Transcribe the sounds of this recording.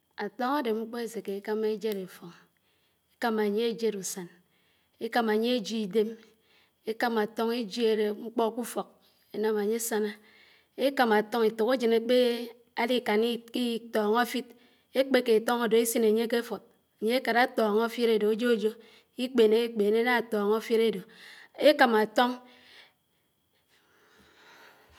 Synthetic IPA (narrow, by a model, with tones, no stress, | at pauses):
a˨tɔ˦ŋa˦de˨ŋ͡m̩˦k͡pɔ˦e˦se˨ke˨i˨ka˦me˦d͡ʒe˦ɾe˨fo˨ŋ | e̥˦ka˦ma˨ɲe˦e˦d͡ʒe˦ɾu˨sa˨n | e˦ka˦ma˨ɲe˦e˦d͡ʒi˦i˨de˦m | e˦ka˦ma˨to˦ŋi˦d͡ʒi˦e˨ɾe˨ŋ͡m̩˦k͡pɔ˦ku˦fo˨k̚ | e˦na˨m˨a˨ɲe˦sa˦na˦ | e˦ka˨ma˨to˦ŋi˨tu˨ku˦d͡ʒi˨ne˨k͡pe˦ | a˦li˦ka˨ni˦ki˦tɔː˨ŋa˦fi˦t̚ | e˦k͡pe˦ke˨to˦ŋo˨do˨e˦si˦ne˨ɲe˦ke˦fo˨t̚ | a˨ɲe˦e˦ka˨ɾa˦tɔː˨ŋo˦fi˦ɾe˨do˨e˦d͡ʒo˦d͡ʒo˦ | i˦k͡pe˨ne˨˦i˦k͡peː˨ne˦na˦˨tɔ˨ŋo˦fi˦ɾe˦do˨e˦ka˨ma˨to˦ŋ